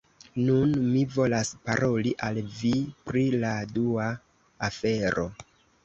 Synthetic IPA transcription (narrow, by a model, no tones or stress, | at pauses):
nunmivo̞laspaɾʔo̞liʔalvipɾiladuaː | fe̞ɾo̞̰